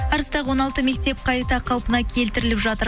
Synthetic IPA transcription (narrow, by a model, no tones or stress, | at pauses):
ɑɾəst̪ɑʁwo̞nɑlˠt̪əme̞k̚t̪e̞p̚qʰɑjt̪ɑqʰɑlˠpənɑkʲʰe̞lt̪ɪɾɪlɪpʒɑt̪əɾ